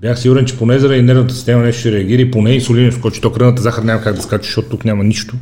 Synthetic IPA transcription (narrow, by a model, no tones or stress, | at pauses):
bjaxsiɡʊɾɛnt͡ʃɛponɛzɐɾd̪inɛɾvnət̪əsist̪ɛmɐnɛʃt̪ʃɛɾɛɐɡ̟ʲiɾəiponɛinsolʲinoskɔt͡ʃɛ̥t̪ɔkɾənət̪əzaxəɾnʲamɐkaɡd̪ɐskaʒət͡ʃɛ̥ʃɔt̪o̥t̪uknʲamɐniʃt̪ʊ